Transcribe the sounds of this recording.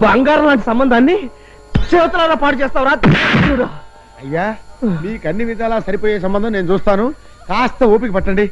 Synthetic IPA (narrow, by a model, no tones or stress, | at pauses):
bɐŋɡaːɾɐlaːɳʈisɐmbɐnd̪ʱaːnːi | seːʋɐt̪ulaːnaːpaːʈut͡ʃɛːst̪aːwɾaːt̪uːɾaː | ɐjːaːniːkɐnːiʋid̪ʱaːlaːsɐɾipoːjeːs̬ɐmbɐnd̪ɐmneːnut͡ʃuːst̪aːnu | kaːst̪ɐoːp̬ikɐpɐʈːɐɳɖi